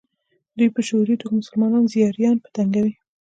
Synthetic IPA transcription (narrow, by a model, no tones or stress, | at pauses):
d̪ujpəʃoɾit̪okmʊsʊlmɑnɑnzijɑɾjɑnpə̥t̪aŋɡawi